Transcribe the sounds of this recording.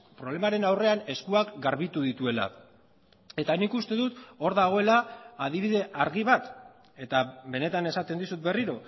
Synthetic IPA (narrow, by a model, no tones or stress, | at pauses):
pɾole̞maɾe̞nawre̞ane̞skuakɡaɾβit̪uðit̪ue̞la̰ | e̞t̪anikust̪e̞ðut̪o̞ɾðaɣ̞o̞e̞laːðiβ̞iðe̞ʔaɾɣiβat̪ | e̞t̪aβe̞ne̞t̪ane̞sat̪e̞nd̪isut̪̚be̞riɾo̞